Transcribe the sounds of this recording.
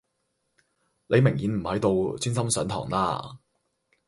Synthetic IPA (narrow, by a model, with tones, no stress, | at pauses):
lʔe˨˧jmɪ˨˩ŋjiː˨˧nm̩˨˩hɐ˨˥jt̪o˧wt͡syː˥nsɐ˥msœː˨˥nt̪ʰɔ̰ː˨˩ŋla̰ː˧˥